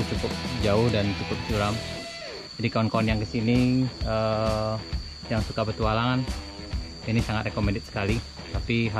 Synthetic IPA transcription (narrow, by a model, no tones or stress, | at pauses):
t͡ʃukʊp̚d͡ʒaʊhdant͡ʃukʊp̚sulam | d͡ʒadikaɔnkoanjaŋkəsiniə | jaŋsukabət̪ualaŋan | inisaŋat̪ɾʔekomɛndɛt̪̚sə̥kali | t̪apiɦa